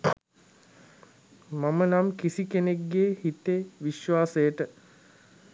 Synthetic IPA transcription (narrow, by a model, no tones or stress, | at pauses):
mamənamkisikeneɡɡeːhit̪eʋiʃʋaːsəjəʈə